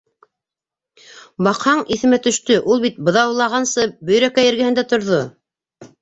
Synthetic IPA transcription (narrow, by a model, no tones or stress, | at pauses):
bɑqhɑɴiθɘ̆mæt̪ɵ̆ʃt̪ɵʔulˠβit̪̚bɤ̆ðɑwulˠɑʁɑnsɤbɵ̆jɾækæjɘ̆ɾɡæhɘ̆nd̪æt̪ŏɾðo